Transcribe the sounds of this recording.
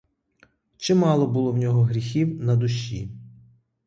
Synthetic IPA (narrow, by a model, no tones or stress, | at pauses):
t͡ʃɪmɑlˠɔbʊlˠɔwnʲɔɦɔɦɾʲixʲiwnɐd̪ʊʃːḭ